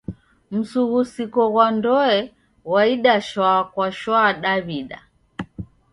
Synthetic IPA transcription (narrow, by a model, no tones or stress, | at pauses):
m̩suɣusikɔɣwandɔɛ | waiɗaʃwaːkwaʃwaɗaβiɗa̰